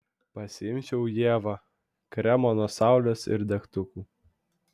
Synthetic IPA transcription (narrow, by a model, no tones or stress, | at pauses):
pɐsʲɪɪmʲt͡ʃʲɛʊjeːʋɐ | kɾʲɛmɔnoːsɑˑʊlʲosɪ̰ɾd̪ʲɛkt̪ʊkuː